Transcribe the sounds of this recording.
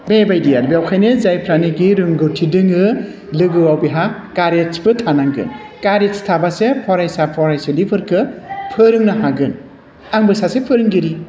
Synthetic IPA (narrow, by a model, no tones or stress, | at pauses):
bebajdijalbiawkʰajnɯzajpʰɾaniɡiɾɯŋɡɯtʰidɯŋɯ | lɯɡɯwawbiɦakaɾesbɯtʰanaŋɡɯ̰n | kaɾestʰabasepʰɔɾajsapʰɔɾajselipʰɯɾkʰɯpʰɯɾɯŋnaɦaɡɯn | aŋbɯsasepʰɯɾɯŋɡiɾi